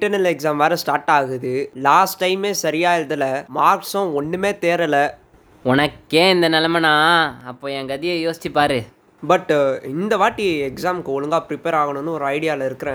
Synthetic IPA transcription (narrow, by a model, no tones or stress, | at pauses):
ɪʈːɐɾnɐlɛksaːmʋaːɾɐsʈaːɾʈːaːɣɯðɯlaːsʈːɐɪmeːsɐɾɪjaːɪɾɐðɐlɐmaːɾksʊ̃ɔɳːɯmeːt̪eːɾɐlɐ | ɔnɐkːeːɪnd̪ɐnɐlɐmɐnãːɐpːoːɛŋɡɐðɪjɐjoːsɪ̥t͡ʃːɪpːaːɾɯ | bɐʈːɪnd̪ɐʋaːʈːiɛksaːmkɯɔɭɯŋɡaːpɾɪpeːɾaːɣɐɳɯ̃nːɯɔɾɯɐɪɽɪjaːlɐɪɾɯkːɯɾẽː